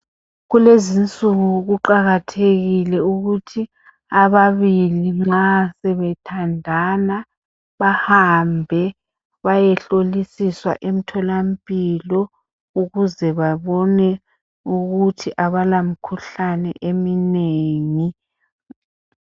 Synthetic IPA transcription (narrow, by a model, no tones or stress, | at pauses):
ɣulezint͡sʼuɣuɣuǃaɣatʰeɣilɛuɣutʰi | aβaβiliŋ͡ǁasɛβɛtʰandʱana | βahambʱɛ | βajɛɬolisiswa̰ʔem̩tʰɔlampʼilɔ | uɣuzɛβaβɔnɛ | uɣutʰiʔaβalamikʰuɬanɛ̰ʔemineːŋi